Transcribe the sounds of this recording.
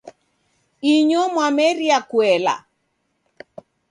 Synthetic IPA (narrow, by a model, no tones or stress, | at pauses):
iɲɔmwamɛɾiakwɛla̰